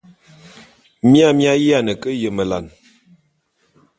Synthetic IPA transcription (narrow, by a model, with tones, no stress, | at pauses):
mja˦˨mi˦a˦ji˦a˦˨nə˨kə˦jə˨mə˨la̰˨n